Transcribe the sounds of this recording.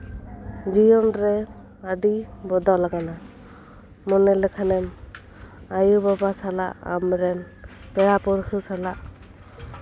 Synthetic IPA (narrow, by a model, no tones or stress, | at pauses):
d͡ʒijɔnɾɛ | adibɔd̪alaɡana | mɔnɛlɛkʰanɛm | ajubabasala̰ʔa̰mɾɛn | pɛɹapɔɾkʰɯsalaʔ